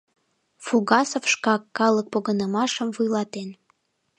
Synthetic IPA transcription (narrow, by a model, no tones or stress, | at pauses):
fuɣɑsofʃkɑkːɑlək̚poɣənəmɑʃəmvujlɑt̪en